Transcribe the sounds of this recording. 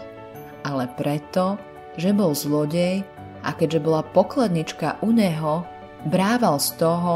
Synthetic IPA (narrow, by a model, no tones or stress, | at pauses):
ʔalɛpɾɛt̪ɔ | ʒɛbɔlzlɔɟɛj | ʔa̰kɛɟʒɛbɔlapɔklad̪ɲit͡ʃkaʔuɲɛɦɔ | bɾaːʋalst̪ɔɦɔ